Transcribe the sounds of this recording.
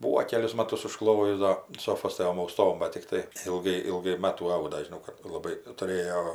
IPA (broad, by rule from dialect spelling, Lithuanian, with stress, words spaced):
ˈbuːoː ˈkʲæːlʲʊs ˈmɑːtʊs ʊʃˈklˠoːjʊs ˈdoː ʊn ˈsoːfoːs ˈtoːm ɐʊˈstoːm ˈbɐt tʲɪkˈtɐɪ ɪlˠˈɡɐɪ ɪlˠˈɡɐɪ ˈmɑːtuː ˈɐʊdɐ ʒʲɪˈnɐʊ kɐt lˠɐˈbɐɪ tʊˈrʲeːjoː